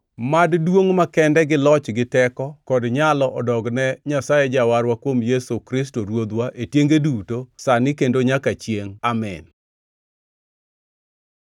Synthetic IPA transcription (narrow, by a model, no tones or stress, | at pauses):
maddwoŋmakɛndɛɡɪlɔt͡ʃɡɪtɛkɔkɔdɲalɔʔɔdɔɡnɛɲasajɛd͡ʒawaɾwakwomjesokɾɪs̬toɾwod̪waʔetjeŋɡedutosanɪkendoɲakat͡ʃjeŋamɛ̰n